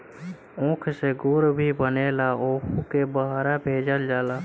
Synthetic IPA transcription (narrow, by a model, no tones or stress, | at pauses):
õːkʰseɡʊɾbʱibəneːlaoːkʰukebəɦaːɾabʱeːd͡ʒəld͡ʒaːlaː